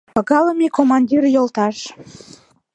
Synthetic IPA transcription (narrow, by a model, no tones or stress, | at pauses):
pɑɣɑləmekomɑnʲdʲirjolt̪ɑʃ